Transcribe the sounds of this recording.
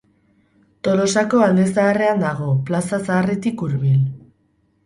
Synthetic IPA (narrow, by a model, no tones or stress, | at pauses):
t̪o̞lo̞sako̞ald̪e̞saːre̞and̪aɣ̞o̞plasasaːret̪ikuɾβil